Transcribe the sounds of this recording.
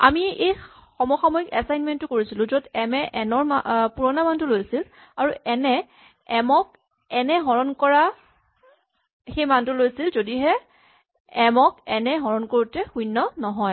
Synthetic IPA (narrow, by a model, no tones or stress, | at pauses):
a̰miejxɔmɔxamɔikɛsajnmɛntːʊkoɹisilʊ̃zɔdɛmɛʔɛnɔɹmapuɹɔnamantʊlojsil | aɹuʔɛnɛ | ɛmɔk̚ | ɛnɛɦɔɹɔnkɔɹa | xejmantʊlojsilzodiɦɛ | ɛmɔkɛnɛɦɔɹɔnkoɹutɛxujnːɔnɔɦɔj